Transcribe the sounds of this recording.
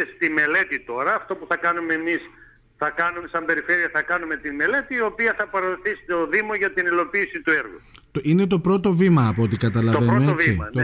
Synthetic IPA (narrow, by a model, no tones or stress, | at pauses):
st̪ime̞le̞t̪it̪o̞ɾɐːft̪o̞puθɐkɐnume̞mis | θɐkɐnume̞sɐmbe̞ɾife̞ɾiɐθɐkɐnume̞t̪ime̞le̞t̪iːo̞piɐθɐpɐɾɐoθisi̥t̪oðimo̞ʝɐt̪inilo̞piːsit̪ue̞ɾɣṵt̪ine̞t̪o̞pɾo̞t̪o̞vimɐːpot̪ikɐt̪ɐlɐoveɾmeeoviiɐ̰n